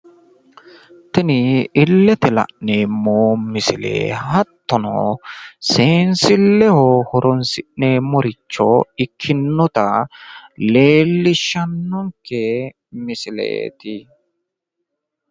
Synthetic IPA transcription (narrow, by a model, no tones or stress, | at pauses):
t̪ɛnɪɪlːɛt̪ɪlɐ̰ʔneːmːoːmɪsɪlḛːhɐt̪ːɔnɔ̰seːnsɪlːɛhɔhɔɾɔnsɪʔneːmɔɾɪt͡ʃːɔɪkʰːɪnːɔt̪ɐ | leːlːɪʃːɐnːɔŋkːɛ | mɪsɪlḛːt̪ɪ